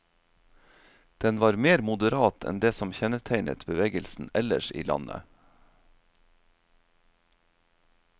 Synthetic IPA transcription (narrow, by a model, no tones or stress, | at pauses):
d̪̥ɛnʋɑːɾmeːɾmʊd̪əɾɑːt̪ʰɛ̰nd̪eːsɔmçɛnət̪ʰæɪnʔə̰t̪bəʋeːɡəlsn̩ɛləʃḭːlɑ̰nə̰